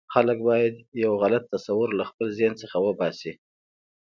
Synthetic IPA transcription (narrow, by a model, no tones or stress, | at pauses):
xalək̚bɑjad̪jawɣalat̪ːasawəɾlaxpəlzjɑnsəxawəbɑsi